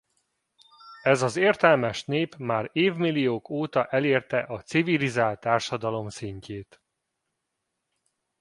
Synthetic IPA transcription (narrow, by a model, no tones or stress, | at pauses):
ɛzɒzeːrt̪ɛlmɛʃneːpmaːɾeːvmilːijoːkoːt̪ɒʔɛleːrt̪ɛʔɒt̪sivilizaːlt̪ːaːrʃɒd̪ɒlo̞msiɲceːt̪